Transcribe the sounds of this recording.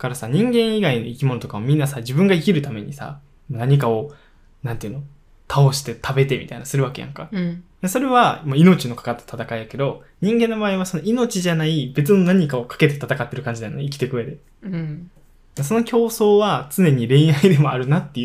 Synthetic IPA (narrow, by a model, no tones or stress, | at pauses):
kaɾasaɲ̟ĩŋɡẽɰ̃iɡaino̞ikʲimo̞no̞t̪o̞kaomʲĩnːasad͡ʑibɯ̟̃ŋɡaikʲiɾɯ̟t̪ame̞ɲ̟isa̰ | manaɲ̟ikao̞ | nãnt̪eɯ̟no̞ | t̪ʰao̞ɕi̥t̪e̞t̪ʰabe̞t̪e̞mʲḭt̪a̰inasɨɾɯ̟βake̞jã̰ŋkad̪aso̞ɾe̞βamaino̞t͡ɕino̞kḁkat̪ːḁt̪at̪akaijake̞d̪o̞ | ɲ̟ĩŋɡẽ̞nːo̞baːiβaso̞no̞ino̞t͡ɕiʑanaibe̞t͡sɨno̞naɲ̟ikao̞kʰḁke̞t̪e̞t̪at̪akat̪ːe̞ɾɯ̟kãɲ̟d͡ʑid̪ajoneik̬ʲi̥t̪e̞kɯ̟βe̞d̪e̞ | d̪aso̞no̞kʲʰo̞ːso̞ːβat͡sɨne̞ɲ̟iɾẽ̞ɰ̃aid̪e̞mo̞aɾɯ̟nat̪ːe